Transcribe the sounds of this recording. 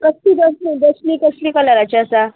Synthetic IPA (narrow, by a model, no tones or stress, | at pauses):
kəsliːd̪əsnid̪əsniːkəsliːkəlaɾat͡ɕaəsa